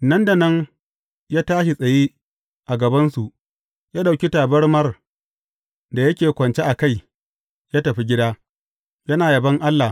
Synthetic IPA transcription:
nɐ˦nda˨nɐ˦ŋ | jaː˦taː˦ʃ̬i˨sʼɐ˨jeː˦ | ʔa˨ɡɐ˨bɐ˦nsu˨ʔ | jaː˦ɗa˨kʲi˦taː˨bɐ˦rmɐ˦r | da˨jɐ˦kʲeː˨kʷɐ˨nt͡ʃe˦ʔa˨ka˦˨j | jaː˦tɐ˨ɸi˦ɡʲɪ˦daː˦ | jɐ˦naː˨jɐ˨bɐ˦ŋʔa˦lːa˨

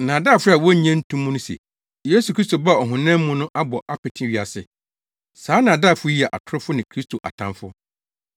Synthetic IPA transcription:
nãː˨daː˦˨fʊ˦ɾa˨wɔ˦ɲɛ̃˦n̩˦tʰũ˦mũ˦nʊ̃˦sḛ˨ | je˦su˨kʰɾi˦sto˨ba˦˨ɔ˨ɦʊ̃˨nɛ̃˦m̩˦mʊ̃˦nʊ̃˦ʔa˦bɔ˨ʔa˦pʰɪ˨tʰɪ̃˦ɥi˨a˨sɪ̰˨ | saː˨˦nã˨daː˦˨fʊ˦ji˦ɛ˨ʔa̰˨tʰʊ˦ɾɪ˦fʊ˦nɪ̃˨kʰɾi˦stʰo˨ʔa̰˨tʰã˦mfʊ˦

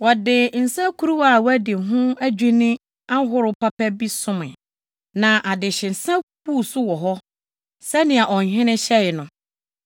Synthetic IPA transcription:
wɔ˨dɪ˨n̩˨sã˦kʰu˦ɾu˦wa˨wæ˦dɪ˨ɦʊ̃˦æ˦d͡ʑᶣi˦nɪ̃˦ | a˦ɦʊ˦ɾʊ˨pʰa˦pɛ˦bi˦sʊ̃˦mɪ̰̃˨ | nã˨ʔa˨dɪ˨ɕɪ˨n̩˨sã˦ku˦˨sʊ˦wɔ˨ɦɔ˦ | sɛ˦nɪ̃˨a˨ʔɔ˨ɲ̩˨ɦɪ̃˦nɪ̃˦ɕɛ˦ɪ˨nʊ̃˨

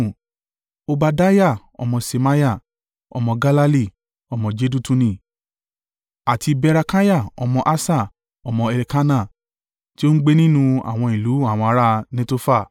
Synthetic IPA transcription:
o˧ba˧da˦ja˦˨ | ɔ̰˧mɔ̃˧se˧ma˦ja˦˨ | ɔ̰˧mɔ̃˧ɡa˦la˦li˦˨ | ɔ˧mɔ̃˧d͡ʒe˦du˦tũ˧nĩ˧˨ | a˨tʰi˧bɛ˧ɾa˧ka˦ja˦˨ɔ̰˧mɔ̃˧ʔa˦sa˦˨ | ɔ˧mɔ̃˧ɛ˨li˧ka˦na˦˨ | ti˦o˦ɡ͡be˦nĩ˦nũ˧a̰˨w̃ɔ̃˧i˨lu˨˦a˦˨w̃ɔ̃˧a˧˦ɾa˦nẽ˦to˦fa˦˨

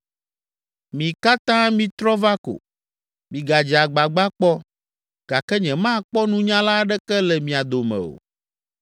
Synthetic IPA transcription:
mĩ˨ka˦t̪ã˦mĩ˦t̪ɾɔ˦va˦ko̰˨ | mĩ˨ɡa˨d͡ʒa˨ɡ͡ba˨ɡ͡ba˦k͡pɔ˦ | ɡ̥a˨kɛ˦ɲɛ̃˨mã˦˨k͡pɔ˦nũ˦ɲã˦la˦ɖɛ˦kɛ˦lɛ˨mĩ˨a˨d̪o˨mɛ̰̃˨o̰˨

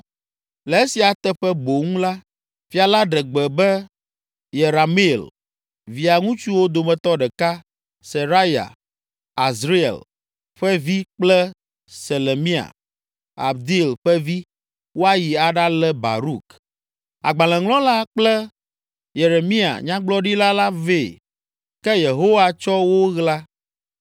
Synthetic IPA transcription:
lɛ˨e˦si˨a˨t̪ɛ˦ɸɛ˦bo˨ŋũ˦la˦ | fi˨a˨la˦ɖɛ˨ɡ͡bɛ˨bɛ˦ | je˨ɾa˨mi˦˨l | vi˨a˨ŋũ˦t͡ʃu˦wo˦d̪o˨mɛ̃˨t̪ɔ˦ɖɛ˨ka˦ | se˨ɾa˦ja̰˨ | a˨zɾi˦ḛ˨l | ɸɛ˦vi˦k͡plɛ˦ | se˨le˨mĩ˦a̰˨ | a̰˨bd̪i˦˨lɸɛ˦vi˦ | wo˦a˦ji˨a˨ɖa˦lɛ˦ba̰˨ɾu˦˨k | a̰˨ɡ͡bã˨lɛ̃˨ŋlɔ̃˦la˦k͡plɛ˦ | je˨ɾe˨mĩ˦a̰˨ɲã˦ɡ͡blɔ˦ɖi˦la˦la˦ve˨ | kɛ˦je˨ɦo˦wa˦t͡ʃɔ˦wo˦ɣla˦

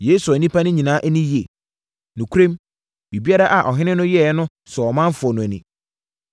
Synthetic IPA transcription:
jeː˦su˨a˨nĩ˦pʰa˦nʊ̃˦ɲĩ˨nãː˦ʔæ˦nĩ˦ji˨e˨ | nʊ̃˨kʰu˦ɾẽ˦m | bi˨bi˦a˦ɾa˦ʔa˨ʔɔ˨ɦɪ̃˦nɪ̃˦nʊ̃˦jɛ˦nʊ̃˦ | sɛ˨ɔ˨mã˦m˦fʊ˨ɔ˨nʊ̃˨æ˨nĩ˨

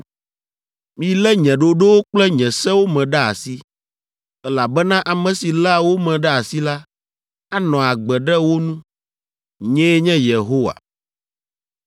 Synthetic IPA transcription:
mĩ˦lɛ˦ɲɛ̃˨ɖo˨ɖo˦wo˦k͡plɛ˦ɲɛ̃˨sɛ˦wo˦mɛ̃˨ɖɛ˦a̰˨si˦ | ɛ˦la˨bɛ˦nã˦ʔa˨mɛ̃˨si˨la˦wo˦mɛ̃˨ɖɛ˦a˨si˦la˦ | a˦nɔ̃˨a˨ɡ͡bɛ˨ɖɛ˦wo˦nũ˦ | ɲɛ̃˦ɲɛ̃˦je˨ɦo˦wa̰˨

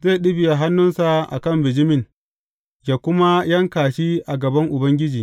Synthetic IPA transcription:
ze˦˨ɗɪ˦bɪ˨ja˨ɦa˦nːʊ˦nsa˨ʔa̰˨kɐ˦˨mbɪ˨d͡ʒɪ˦mɪ˨n | jaː˨kʷʊ˦ma˦jɐ˦ŋkaː˨ʃiː˦ʔa˨ɡɐ˨bɐ˦ŋʔʊ˨bɐ˦ŋɡʲɪ˦d͡ʒiː˨

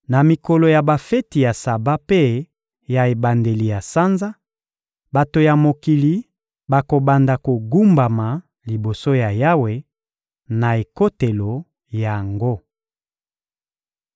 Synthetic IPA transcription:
na˨mi˨ko˨lo˨ja˨ba˨fe˦ti˨ja˨sa˨ba˦pe˦ | ja˨e˨ba˨nde˨li˨ja˨sa˦nza˦ | ba˨to˨ja˨mo˨ki˨li˦ | ba˨ko˨ba˨nda˨ko˨ɡu˦mba˨ma˨ | li˨bo˨so˦ja˨ja˦we˨ | na˨e˨ko˦te˨lo˨ | ja˨ŋɡo˦

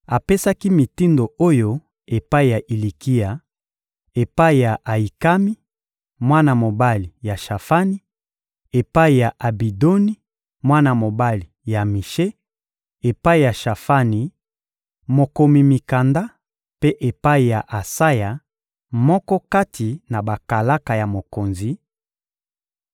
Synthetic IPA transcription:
a˨pe˦sa˦ki˦mi˨ti˦ndo˨o˦jo˦ | e˨pa˦i˨ja˨ʔi˨li˨ki˦ja˨ | e˨pa˦i˨ja˨ʔa˨i˨ka˦mi˦ | mwa˦na˨mo˨ba˦li˨ja˨ʃa˨fa˦ni˦ | e˨pa˦i˨ja˨ʔa˨bi˨do˦ni˦ | mwa˦na˨mo˨ba˦li˨ja˨mi˨ʃe˦ | e˨pa˦i˨ja˨ʃa˨fa˦ni˨ | mo˨ko˨mi˨mi˨ka˨nda˦ | pe˦ʔe˨pa˦i˨ja˨ʔa˨sa˦ja˨ | mɔ˦kɔ˦ka˦tʰi˨na˨ba˨ka˨la˦ka˨ja˨mo˨ko˨nzi˨

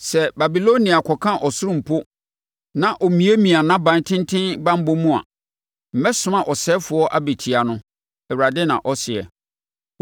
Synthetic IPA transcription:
sɛ˨ba˨bi˨lo˦nĩ˨a˨kʰɔ˨kʰã˦ʔɔ˨sʊ˦ɾʊ̃˨m̩˨pʰo˦ | nã˨ʔɔ˨mĩ˨˦e˦mĩ˨a˨nã˦bã˨˦n˦tʰɪ̃˦n˦tʰɪ̃˦nbã˦m˦bo˦mũ˦a̰˨ | m̩˨mɛ˦sʊ̃˦ã˨ʔɔ˨sɛ˦fʊ˨ɔ˦ʔa˦be˨tʰi˨a˨nʊ̃˦ | ɛ˨wɾa˨dɪ˦nã̰˨ʔɔ˦sɪ˨ɛ̰˨

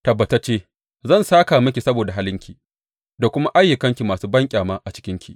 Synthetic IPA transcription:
tɐ˨bːɐ˨ta˦t͡ʃeː˦ | zɐ˦˨nsaː˦kaː˨mɐ˦kʲi˨sɐ˦boː˨da˨ɦa˦lɪ˦ŋkʲi˨ | da˨kʷʊ˦ma˦ʔa˦jːʊ˨kɐ˦ŋkʲi˨maː˨suː˦bɐ˦ŋkʲʼaː˨maː˦ʔa˨t͡ʃɪ̥˦kʲɪ˦ŋkʲʰḭ˨ʔ

